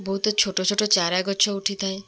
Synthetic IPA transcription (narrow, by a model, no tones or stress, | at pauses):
bɔɦut̪ɔt͡ʃʰoʈɔt͡ʃʰoʈɔt͡ʃaɾaɡɔt͡ʃʰɔuʈʰit̪ʰaj